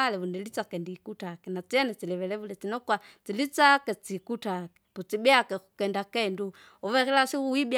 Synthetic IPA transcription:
lɛβundɛlit͡sakɛndikutakɛnat͡siɛnɛt͡silɛʋɛlɛβulɛt͡sinɔkwat͡silit͡sakɛt͡sikutakɛ̥put͡sibiakɛkukɛndakɛndu | ɔβɛɾilasiuwibj

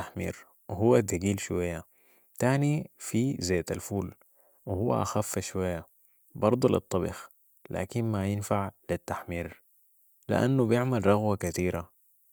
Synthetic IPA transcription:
aħmḭːɾ | wɪɦuwːad̪aɡiːlʃwajːa | t̪aːnifizeːt̪alfuːl | wɪhuwːa̰ʔaxafːaʃwajːa | bɑɾˤd̪ˤulḭt̪ˤːɑbḭx | la̰ːkinmajɪnfaʕlit̪ːaħmiːɾ | lḭʔa̰nːubjɪʕmalɾˤɑɣwakat̪iːɾa

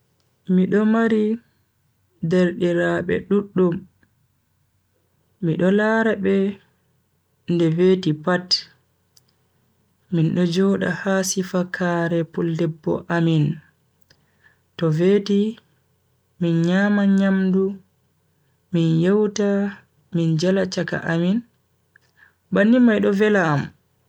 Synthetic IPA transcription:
miɗɔmaɾi | deɾɗiɾaɓɛ̰ɗuɗːum | iɗɔlaːɾaɓɛ | ndɛveːtipat | minɗɔd͡ʒɔɗa̰haːsifakʰaːɾɛpuldɛbːɔ̰ʔamin | tɔveːti | minɲaːmaɲamdu | minjɛwta | mind͡ʒalat͡ʃaka̰ʔamin | banimajɗɔvɛlaːm

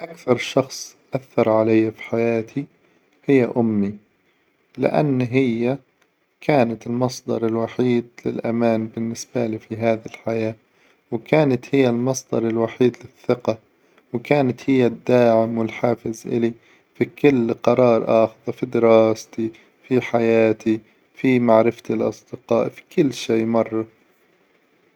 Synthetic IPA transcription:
ʔakθɑɾˤʃɑxsˤʔaθːɑɾˤʕalajːafi̥ħajaːt̪ʰi | hɪjːaʔʊmːi | lɪ̰ʔa̰nːɦɪjːa | kʰaːnat̪ɪlmɑsˤd̪ɑɾˤɪlwaħiːd̪lɪ̰lʔamaːnbɪnːɪsbalifiɦaːðɪlħajaː | wkaːnat̪hɪjːalmɑsˤd̪ɑ̰ɾˤɪlwaħiːd̪lɪθːɪqɑ | wkaːnat̪hɪjːad̪ːaːʕɪmwɪlħaːfɪzʔɪ̰li | fikʊlːqɑɾˤɑːɾˤʔɑːxðˤafid̪ɪɾɑːst̪i | fiħajaːt̪i | fimaʕɾɪft̪ilʔɑ̰sˤd̪ɪqɑːʔfi̥kɪlːʃeːmɑrˤːɑ

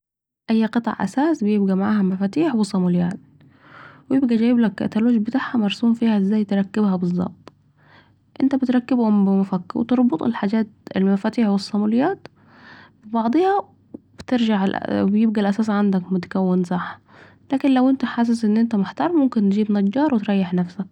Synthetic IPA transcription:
ʔæjːqɨt̪ˤɑ̰ʕʔæ̰saːsbɪjebɡæmaʕaːhæmæfaːt̪iːħwesˤːɑmʊlɪjaːt̪ | wjeb̚ɡæd͡ʒæjɪblækːæ̰t̪æloːʒbɪt̪aːʕhæmɑɾˤsuːmfiːhæʔɪzːæːjt̪ɾˤɑkːɪbhæbɨzˤːɑ̰b̚t̪ˤ | ʔɪnt̪æbɪt̪ɾˤɑkːɪbhʊmbɪmʊfækːwḛt̪ɑɾˤbot̪ˤḛlħaːd͡ʒæːt̪ɪ̰lmæfaːt̪iːħwɪsˤːɑmulɪjaːt̪ | bɪbɑʕd̪ˤehɑ | b̥t̪ɪɾʒaʕlʔbjɪb̚ɡælʔæsaːsʕand̪akmʊt̪ḁkæwːɪnsˤɑħ | laːkɪnlawʔɪnt̪æħas̬ɪsʔɪnːʔɪnt̪æmʊħt̪ɑɾˤmmʊmkɪnt̪d͡ʒiːbnɑd͡ʒːɑːɾˤwɪt̪ɾˤɑjːɪħnafsæk̚

